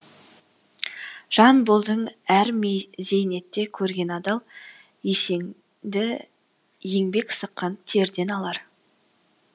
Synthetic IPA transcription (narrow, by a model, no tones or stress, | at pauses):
ʒ̥ɑnbolˠd̪əɴæɾmeze̞jne̞t̪ːe̞kʲʰɵɾɡʲe̞nɑd̪ɑlˠ | eseŋ | d̪ɪ | je̞ŋbe̞ksəqːɑnt̪ʰe̞ɾd̪e̞nɑlˠɑɾ